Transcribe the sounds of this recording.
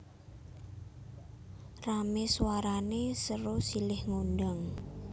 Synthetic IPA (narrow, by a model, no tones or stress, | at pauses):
rameswaɾanesəɾosilɪhŋondaŋ